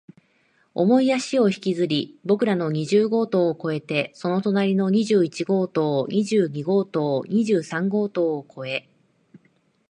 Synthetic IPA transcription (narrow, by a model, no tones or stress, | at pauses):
o̞̰mo̞ijaɕio̞çi̥kʲizɨɾʲibo̞kɯ̟ɾano̞ɲ̟iʑɨːɡo̞ːt̪o̞ːko̞e̞t̪e̞so̞no̞t̪o̞naɾʲino̞ɲ̟iʑɨɯːit͡ɕiɡo̞ːt̪o̞ːɲʲʔiʑɯːɲ̟iɡo̞ːt̪o̞ːɲ̟ʲiʑɨːsãŋɡo̞ːt̪o̞ːkʰo̞e̞